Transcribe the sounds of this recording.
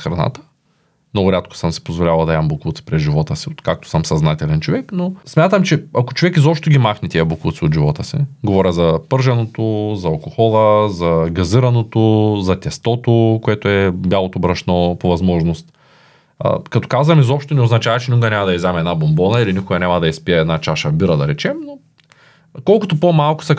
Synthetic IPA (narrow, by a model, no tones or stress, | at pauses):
xɾɐna̰t̪ə̥ | mnɔɡʊɾʲat̪̚kʊ̥səmsi̥pozvolʲavɐlˠd̪ɐɛmbokˠut̪si̥pɾɛzʒivɔt̪əsiot̪kak̚t̪o̥səmsɐznat̪ɛlɛnt͡ʃovɛknosmʲat̪əmt͡ʃɛako̥t͡ʃovɛkizɔpʃt̪oɡʲimaxnʲɛt̪ʲiəbokut̪siot̪ʒivɔt̪əsḭɡovɔɾʲəzɐpɤɾʒɐnot̪ozɐɐlˠkoxɔlˠəzɐɡɐziɾɐnot̪ozɐt̪ʲɛst̪ɔt̪okoɛt̪ʊɛbjalˠot̪obɾɐʃnɔpovɐzmɔʒnost̪ː | kɐt̪o̥kazvɐmizɔpʃt̪onɛoznɐt͡ʃavɐt͡ʃɛnʲuɡɐnʲamɐd̪ɐizɛmɛd̪nabombɔnɐilinʲikʊɡɐnʲamɐd̪ɐispiɛɛd̪nat͡ʃaʃɐbiɾɐd̪ɐɾɛt͡ʃɛmno | kɔlˠkʊt̪opomalˠkʊ̥sɐ